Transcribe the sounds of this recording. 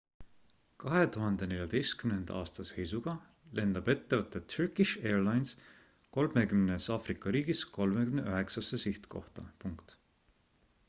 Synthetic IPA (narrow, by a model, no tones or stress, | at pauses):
kɑɦe̞t̪uɦɑnd̪e̞ne̞ljɑd̪̥e̞jst̪̚kymnend̪̥ɑːst̪ɑse̞jsuɡ̥ɑ | le̞nd̪̥ɑb̥e̞t̪ːevət̪ːˑet̪ʰyrkˑiʃe̞ːrlɑjns | ko̞lme̞kymnesɑfrikːˑɑɾiːɡ̥isko̞lme̞kymneøɦe̞ksɑsesiht̪ko̞̰ht̪ɑ̰puŋkt̪